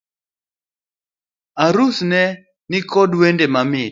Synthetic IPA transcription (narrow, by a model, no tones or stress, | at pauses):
aɾusnɛ | nɪkɔdwendemamɪ